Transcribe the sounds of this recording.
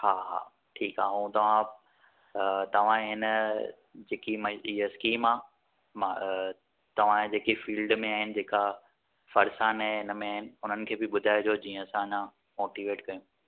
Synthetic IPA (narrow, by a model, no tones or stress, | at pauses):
haːɦa̰ː | ʈʰiːkaːɦũt̪ɐʋ̤ã | t̪ɐʋ̤ãɦɪnə | d͡ʑeːkimɐiəskiːmaː | ma | t̪ɐʋ̤ãd͡ʑeːkifiːlɖmẽaːɦɪnɪ̆d͡ʑeːka | fɐɾsaːnɛ̃ɦɪnəmẽaːɦɪnɪ̆ʊn̤ənɪ̆kʰeːbɪɓʊd̪ʱaːɪd͡ʑoːd͡ʑĩːə̃sãɲã | moːʈiʋeːʈkɐjũː